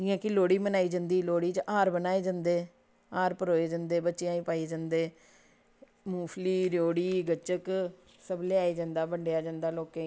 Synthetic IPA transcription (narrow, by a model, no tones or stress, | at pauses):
d͡ʒiːãːkɪloːɽiːmənaːiːd͡ʒãːnd̪iːloːɽiːt͡ʃʔaːɾbənaːeːd͡ʒãːnd̪eː | aːɾpəɾoːeːd͡ʒãːnd̪eːbətːʃejãːĩːpaːiːd͡ʒãːnd̪eː | muːpʰliːɾjoːɽiːɡət͡ʃək | səbleaːiːd͡ʒãːnd̪aːbəɳɖejaːd͡ʒãːnd̪aːloːkẽː